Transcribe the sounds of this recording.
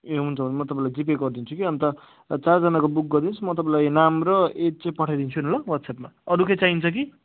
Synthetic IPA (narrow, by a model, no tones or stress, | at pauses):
eɦunt͡sʰʌbʱʌnemʌt̪ʌpãĩlajd͡zip̬eɡʌrd̪int͡sʰukiʌnt̪ʌ | t͡sard͡zʌnakobuk̚ɡʌrd̪int͡sʰumʌt̪̬ʌpãlajnamrʌet͡sãpʌʈʰajd̪int͡sʰuinolawʌt̪sʰepmaʌɾukejt͡saint͡sʰʌk̬i